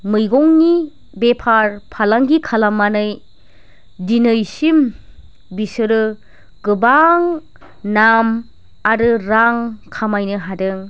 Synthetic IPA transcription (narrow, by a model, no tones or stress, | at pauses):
mɯjɡɔŋni | bepʰaɾpʰalaŋɡikʰalamːanɯj | dinɯjsim | bisɯɾɯ | ɡɯbaŋ | nam | aɾɯɾaŋkʰamajnɯɦadɯŋ